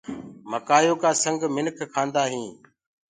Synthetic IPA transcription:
məkaːjoːkaːsə̃ŋɡmɪnkʰkʰãːnd̪aːɦĩː

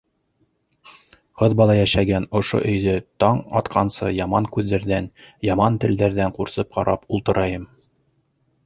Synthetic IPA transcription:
qɤðbɑlˠɑjæʃæɡænŏʃo̰ʔɵ̆jðɘt̪ɒɴɒ̰t̪qʰɑnsɤjɑmɑŋkʉðːæɾðænjɑmɑnt̪ɘ̆ld̪æɾðæɴquɾsɤp̚qʰɑɾɑpulˠt̪ɤ̆ɾʔɑjɤm

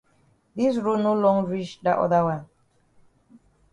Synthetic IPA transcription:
ðis̬ɹonolɔ̃ŋɹit͡ʃdaʔɔ̰ðawãn

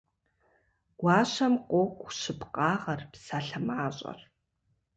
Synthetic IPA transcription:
ɡʷɑːɕɐmqʷʼoːkʷʃɨpqʼɑːʁɐrpsaɬɐmaːɕʼɐ̰r

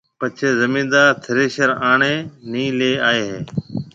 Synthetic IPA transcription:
pət͡ʃʰeːzəmĩːd̪aːɾt̪ʰəɾeːʃəɾaːɳeːnĩːleːaːeːɦeː

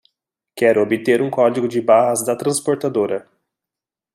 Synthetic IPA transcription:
kɛɾʊobɪt̪eɾũkɔd͡ʒɪɡʊd͡ʒɪbaɦɐzd̪ɐt̪ɾɐ̃spoɾt̪ad̪oɾɐ

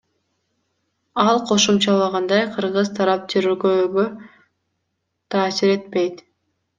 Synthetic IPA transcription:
ɑlˠqʰo̞ʃumt͡ʃɑlˠɑʁɑnd̪ɑjqʰɯɾʁɯzt̪ʰɑɾɑp̚t̪ʰeɾoɾɡøːɡø | t̪ʰɑːsiɾe̞t̪pe̞jt̪

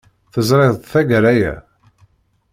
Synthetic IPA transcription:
θəzˤɾˤeðˤt̪θæɡəɾæjæ̰

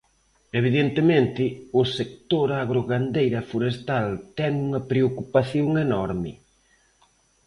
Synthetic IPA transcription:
eβ̞iðent̪emẽnt̪ɪʊsek̚t̪oɾaɣɾoɣand̪ejɾɐfoɾest̪alt̪ɛŋuŋɐpɾeokupaθjoŋenɔɾmɪ̰

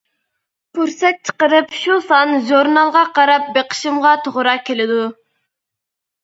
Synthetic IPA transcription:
pʰuɾsɛt̪̚ʲt͡ʃʰə̥qəɾɨpʃusɑnʒuɾnɑlˠʁɑqʰɑɾɑp̚beqʰə̥ʃɨmʁɑt̪ʰoʁʊɾɑkʲʰelɪd̪u

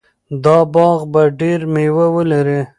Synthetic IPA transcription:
d̪ɑbɑɣbaɖeɾmewawəlaɾi

